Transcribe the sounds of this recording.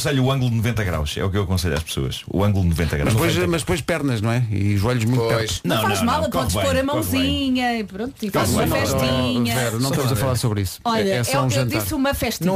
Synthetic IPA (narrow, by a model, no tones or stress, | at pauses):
seʎuːɐ̃ŋɡulˠd̪nuvẽnt̪ɐɣɾa̰wʃɛ̰ukewɐkõseʎa̰ʃpso̰ɐ̰ʃṵɐ̃ŋɡulˠd̪nuvẽnt̪ɐ̰ɣɾamɐd̪pojʃʃmɐʒd̪ɨpojʃpɛɾnɐʒnɐ̃w̃ɛḭuʒɔʎuʒmũt̪pɛɾu̥ʃnɐ̃w̃faãʒmalˠpkɔðʃɐpoɾɐmɐ̃w̃zziɲɐipɾõnt̪uifzɐfɛʃt̪iɲɐvɛɾnɐ̃ʃt̪ɐmuzɐfɐlˠaɾsoβɾisu̥ɔʎɛsɛũʒɐẽtd̪iasumɐfɛʃt̪i